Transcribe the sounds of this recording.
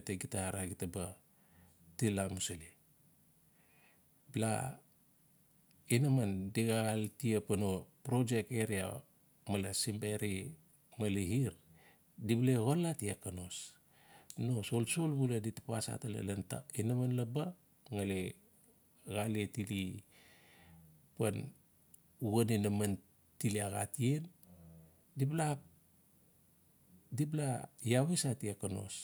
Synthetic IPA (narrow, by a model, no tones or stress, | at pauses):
teɡitaɾaɡitaba | tilamusali | bla̰ | inamandiɡaɣaltiapanopɾo̞d͡ʒe̞k̚eɾia̰ | malasimbeɾi | maliɦiɾ | dibleɣolatiakano̞s | nosolsolbuladitḁpasa̰tala̰lanta̰inamanlaba | ŋale | ɣalietili | pan | uɡaninaman | tiliaɣa̰tien | diblap̚ | diblajaβesatiakano̞̰s